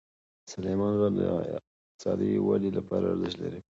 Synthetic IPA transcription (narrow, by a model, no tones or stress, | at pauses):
salemɑnɣɑd̪ə̰ɪq | t̪ɪ̥sɑd̪iwalilapɑɾaaɾzəʃ̬t̪laɾi